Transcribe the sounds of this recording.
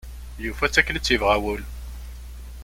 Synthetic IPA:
jufæt͡sːækːlət͡sːjəvʁæwəl

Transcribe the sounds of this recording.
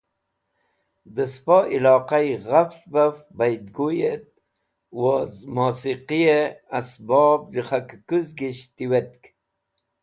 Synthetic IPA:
d̪əspoʔilɑːqajɣaft͡ʃbafbajd̪ɡujet̪̚ | wozmosiqijeasbɑb̚diχakkuzɡiɕt̪iwet̪k

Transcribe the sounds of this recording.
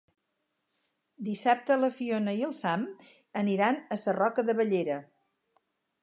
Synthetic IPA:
d̪isap̚t̪ələfionəiəlˠsam | əniɾanəsərɔkəðəβəʎeɾə

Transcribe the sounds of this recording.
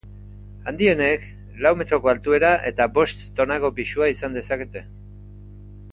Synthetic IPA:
and̪ie̞ne̞k | lawme̞t̪ɾo̞ko̞alt̪ue̞ɾaʔe̞t̪abo̞st̪ːo̞nako̞pisuaisand̪e̞sake̞t̪e̞

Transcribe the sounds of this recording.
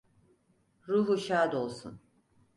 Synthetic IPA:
ɾuːɦuʃaːd̪olˠsṵn

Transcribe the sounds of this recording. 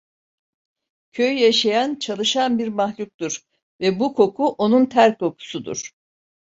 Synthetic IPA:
cʰøjjaʃajant͡ʃʰalˠɯʃanbiɾmahlʲuk̚t̪uɾ | vɛbukʰo̞kʰuʔo̞nunt̪ʰæɾkʰːo̞kʰu̥sud̪ṵɾ̥

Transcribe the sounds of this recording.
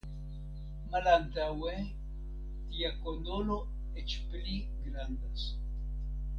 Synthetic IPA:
malantawe | tiakondolo̞ | et͡ʃpli | ɡɾandas

